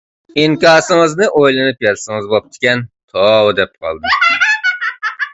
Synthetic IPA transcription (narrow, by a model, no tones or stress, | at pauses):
iŋkʲɑːsɨŋɨznɨʔojlˠɨnɨpjɛlsɨŋɨzbop̚t̪ʰɪ̥kʲɛnt̪ʰowd̪ɛp̚qʰɑ̰lˠd̪ɨ